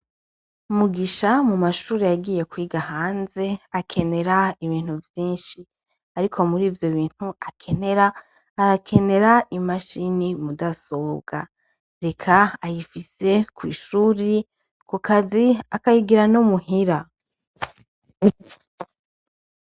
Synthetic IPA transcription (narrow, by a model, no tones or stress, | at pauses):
umuɡiʃamumaʃuːɾijaɡiːje̞kwiːɡaɦaːnze̞akʰe̞ne̞ɾaiβiːn̥huvjiːnʃi | aɾikʰo̞muɾiːvjo̞βiːn̥huakʰe̞ne̞ɾaː | ɾakʰe̞ne̞ɾaimaʃinimudaso̞ːbɡa | ɾe̞kʰaajifise̞kwḭːʃuːɾi | kukʰaziakajiɡiɾanomuhiɾa